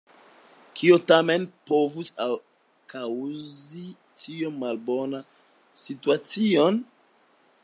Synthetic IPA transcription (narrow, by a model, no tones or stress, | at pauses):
kʰiotamenpo̞vusa | kawzzi | tiommːalbo̞na | situat͡sion